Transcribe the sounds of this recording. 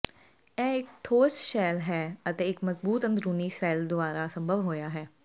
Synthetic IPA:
ɛːɪkʈʰoːsʃɛːlɦɛːət̪eːɪkməzbuːt̪ə̃nd̪ɾuːniːsɛːld̪ʊaːɾaːsə̃mbʱəʋɦoːjaːɦɛː

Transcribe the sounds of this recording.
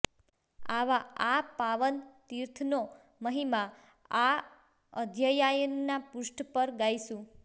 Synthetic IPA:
aʋaapaʋənt̪iɾt̪ʰno | məɦima | a | əd̪ʱjəjajənːapʊsʈpəɾɡajʃũ

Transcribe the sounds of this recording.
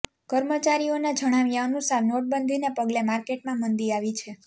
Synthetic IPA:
kəɾmət͡ʃaɾionad͡ʒʱəɽ̃aʋjaənusaɾnoʈ̚bənd̪ʱinepəɡlemaɾkeʈmãmənd̪iaʋit͡ʃʰe

